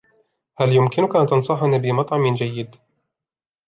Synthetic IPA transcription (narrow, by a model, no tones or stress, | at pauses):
haljʊmkɪnʊkaʔnt̪ɑnsˤɑħanibɪmɑt̪ˤʕɑmɪnd͡ʒajːɪd̪